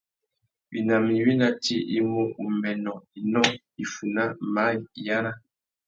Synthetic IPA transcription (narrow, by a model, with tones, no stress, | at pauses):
wḭ˨na˨mi˨wi˦na˦ti˦ʔi˦mu˦u˨mɛ˨nɔ˨i˨nɔ˦ | i˨fu˨na˦ma˨˦i˨i˨ja˦na˦